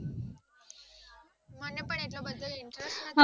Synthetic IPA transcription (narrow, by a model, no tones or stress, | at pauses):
mənːepəɳeʈlɔbəd̪ʱːəliɳʈɾesʈnaɦa